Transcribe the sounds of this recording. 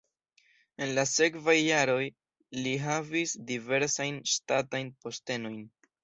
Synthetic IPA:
e̞nlase̞kvajːaɾo̞j | liɦavisdive̞ɾsajnʃtatajnpo̞ste̞no̞jn

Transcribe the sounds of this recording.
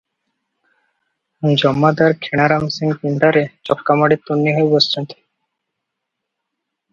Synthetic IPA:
d͡ʑɔmːad̪aɾkʰeɽ̃aɾamsiŋkinɖ̪aɾet͡ɕɔkːamaɽit̪ːonːiɦoebɔst̪ɔnt̪e̥

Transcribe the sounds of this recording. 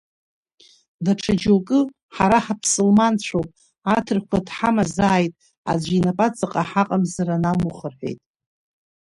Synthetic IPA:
daʈ͡ʂʰad͡ʒokʼɨ | ħaɾaħapʰsɨlmant͡ɕʷʰowpʼ | atʰɨrkʷʰadħamazaːjtʼ | a̰d͡ʒʷinapʼat͡sʼaqʼaħaqʼamzaɾanamuχərħʷe̞̰jtʼ

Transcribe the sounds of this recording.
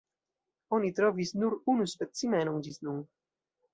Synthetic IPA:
onit̪ɾɔvisnuɾunuspet̪simɛnuŋd͡ʒisnuŋ

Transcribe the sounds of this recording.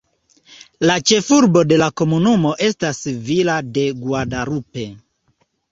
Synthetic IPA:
lat͡ʃe̞fuɾbo̞de̞lako̞munumo̞ʔe̞stasvilade̞ɡwadaɾupe̞

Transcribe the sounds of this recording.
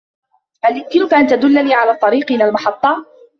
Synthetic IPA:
haljʊmkɪnʊkaʔant̪ad̪ʊlːaniːʕalaːt̪ˤːɑɾiːqʔɪnalmɑħɑt̪ˤːɑː

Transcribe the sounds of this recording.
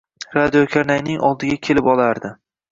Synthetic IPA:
ɾad̪ijokʲʰaɾnajnɪŋɒ̰lˠd̪ɪɡʲakʲʰe̞lɪpɒlaɾd̪ɪ

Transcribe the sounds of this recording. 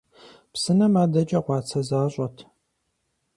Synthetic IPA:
psɨnɐmaːdɐt͡ʃʼɐʁʷɑːt͡sʰɐzaːɕʼɐtʰ

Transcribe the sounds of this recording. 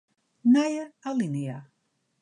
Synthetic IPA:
najəalinia

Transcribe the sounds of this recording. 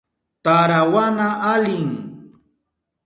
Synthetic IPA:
t̪aɾawanaʔalɪŋ

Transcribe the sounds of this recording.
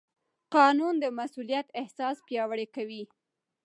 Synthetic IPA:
qɑnund̪əmasulijat̪ɪhsɑspjɑwəɽekawi

